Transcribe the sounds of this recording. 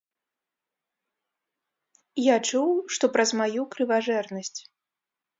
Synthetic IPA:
jat͡ʂuwʂt̪ɔpɾɐzmajukɾɨvaʐɛrnɐsʲt͡sʲ

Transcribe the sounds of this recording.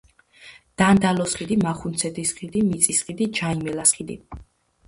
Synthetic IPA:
d̪̥and̪alɔsχid̪imaχunsʰɛd̪isχid̪imit̪sʼisχid̪id͡ʒaimɛlasχid̪ḭ

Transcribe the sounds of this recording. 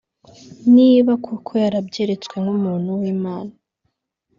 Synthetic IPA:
niβakʰukʰojaɾabɟeɾe̞t͡skwe̞ŋhumuːn̥huwiːmaːna

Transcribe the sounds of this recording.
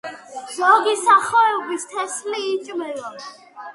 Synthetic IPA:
zɔɡisaχɔɛbist̪ʰɛsliːt͡ʃʼmɛlɔ

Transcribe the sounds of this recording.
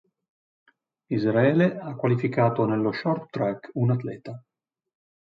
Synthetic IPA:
izɾaɛːleakːwalifikaːt̪onelːoʃɔrt̪ːɾɛkunat̪lɛːt̪a

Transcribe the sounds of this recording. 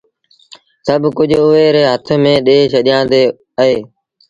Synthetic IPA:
səbkʊd͡ʒʱʊɦeːɾeːɦət̪ʰmẽːɗeːʃəɗɪjãːnd̪eː | əɦeː

